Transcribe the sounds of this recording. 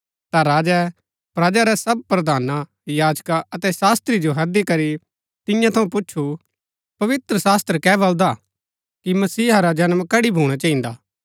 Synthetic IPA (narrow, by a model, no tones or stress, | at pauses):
t̪aɾaːd͡ʒɛ | pɾaːd͡ʒaɾɛsɐb̚pɾɐd̪ʱaːna | jaːd͡ʒkaɐt̪ɛsaːst̪ɾid͡ʒoɦɐd̪ikɐɾi | t̪ɪjãt̪ʰɐũp̬ʊːt͡ʃʰu | pɐʋɪt̪ɾəsaːst̪ɾəkɛːbɐld̪a | kimɐsiːɦaɾad͡ʒɐnmkɐɽibʱuːɽ̃at͡ʃaːɦĩnd̪aː